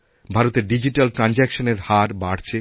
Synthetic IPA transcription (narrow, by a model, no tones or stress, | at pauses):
bʱaɾot̪eɾɖid͡ʑiʈalʈɾand͡ʑekʃoneɾhaɾbaɽt͡ɕʰe